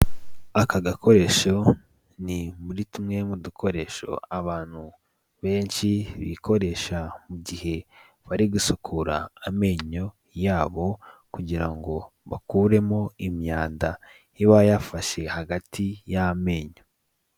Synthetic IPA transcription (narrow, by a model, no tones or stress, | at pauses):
akaɡakʰo̞ɾe̞ʃo̞ | nimuɾitumŋe̞mudukʰo̞ɾe̞ʃo̞̰aβaːn̥hu | βe̞ːnʃiβḭko̞ɾe̞ʃamuɟihe̞ | βaɾiɡusukʰuɾa̰ːme̞ːɲo̞ | jaːβo̞kuɟiɾaŋɡo̞ | βakuːɾe̞mo̞imɲaːnda | iβajafaʃe̞haɡatʰijame̞ːɲo̞